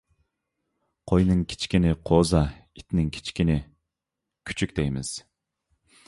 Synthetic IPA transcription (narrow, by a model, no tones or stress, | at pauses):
qʰojnɨŋkʲʰi̥t͡ʃkʲinɪqʰozɑit̪ʰnɪŋkʲʰi̥t͡ʃʰkʲinɪ | kʲʰy̥t͡ʃʰykʲd̪ɛjmɪz̥